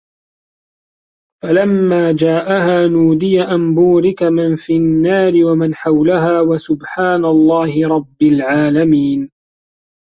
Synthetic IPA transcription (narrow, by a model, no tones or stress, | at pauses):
falamːaːd͡ʒaːʔaɦaːnuːd̪ɪjaʔambuːɾɪkamɪnfiːnːaːɾɪwamanħawlaɦaːwasʊbħaːnalˤːɑːhɪɾˤɑbːɪlʕaːlamiːn